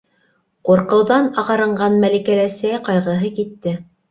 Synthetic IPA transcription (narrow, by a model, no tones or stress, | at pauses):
quɾqɤ̆wðɑnɑʁɑɾɤ̆ɴɢɑnmælikælæsæjqɑjʁɤ̆ɦɤkit̪ːɘ